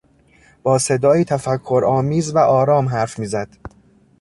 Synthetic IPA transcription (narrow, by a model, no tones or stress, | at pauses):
b̥ɒːse̞d̪ɒːiːt̪ʰæfækʰːoɾɒːmiːzvæʔɒːɾɒːmɦæɾfmiːzæd̪̥